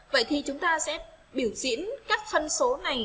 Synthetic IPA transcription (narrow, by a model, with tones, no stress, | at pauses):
və̰˧˨jt̪ʰi˨˩t͡ɕʊ˨˦ŋ͡mt̪aː˧sɛ̰˧˥ | ɓi˧˩əwzḭ˧˥ənkaː˦˥k̚fə˧nso˨˦na˨˩j